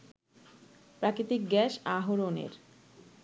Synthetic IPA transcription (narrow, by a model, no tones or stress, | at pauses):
pɾakɾit̪ik̚ɡɛʃaɦoɾonḛɾ